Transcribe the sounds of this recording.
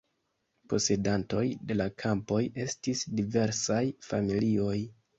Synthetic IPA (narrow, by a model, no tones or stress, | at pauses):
po̞se̞danto̞jde̞lakʰampo̞je̞stisdive̞ɾsajfamilio̞j